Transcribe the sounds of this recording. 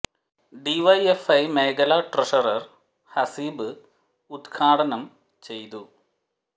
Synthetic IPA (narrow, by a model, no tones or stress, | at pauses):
ɖiʋɐjefɐjmeːɡɐlaʈrɐʂɐrɐr | hɐsiːbɨ | ud̪ɡʰaːʈɐnɐm | t͡ɕe̞jt̪u